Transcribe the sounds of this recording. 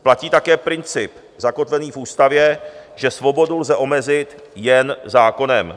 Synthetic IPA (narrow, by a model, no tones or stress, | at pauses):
placiːt̪akɛːpɾɪnt͡sɪp | zako̞t̪vɛniːfʔuːst̪avjɛʒɛsvo̞bo̞dulzɛʔo̞mɛzɪt̪ | jɛnzaːko̞nɛm